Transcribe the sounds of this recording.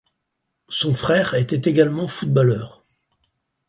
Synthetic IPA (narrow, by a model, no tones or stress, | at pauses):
sɔ̃fχɛʁet̪ɛt̪eɡalmɑ̃fud̪̚balœːʁ